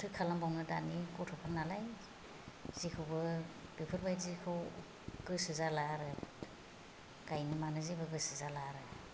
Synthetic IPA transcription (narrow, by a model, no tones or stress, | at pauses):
tʰɯjkʰalambɔŋnɯda̰nikɔtʰɔpʰaŋnalaj | z̥ikʰɯwbɯbipʰɯɾbajzikʰɯw | ɡ̥ɯsɯzalaɾɯ | ɡ̥ajnɯmanɯzibɯɡɯsɯzalaɾɯ